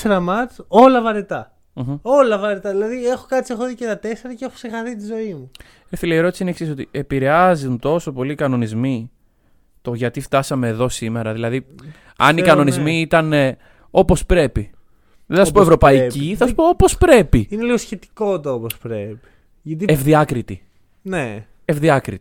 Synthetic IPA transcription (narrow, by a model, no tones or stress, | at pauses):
eɾɐmɐt͡so̞lɐvɐɾet̪ɐ | m̩o̞lɐvɐɾet̪ɐðilɐðiexokɐt̪t͡siexoðicet̪ɐt̪e̞se̞ɾɐceexosexɐθit̪izo̞imu | eθileieɾo̞t̪isiineksis̬o̞t̪iepiɾe̞ɐziunt̪o̞so̞po̞likɐno̞nizmi | t̪o̞ʝɐt̪ift̪ɐsɐme̞ːðo̞sime̞ɾɐðilɐði | ɐ̰nikɐno̞nizmiit̪ɐn | o̞po̞spɾe̞pi | ðesɐssupoevɾo̞pɐiciθɐssu̥poopo̞spɾe̞piineliɣosçe̞t̪i̥ko̞t̪ɐopospɾepi̥ | ʝɐt̪̬ievðiɐkɾit̪i | ne | evðiɐkɾit̪i̥